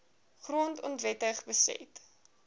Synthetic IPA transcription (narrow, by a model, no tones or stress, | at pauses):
χruəntɔntvɛtəχbəsɛ̰t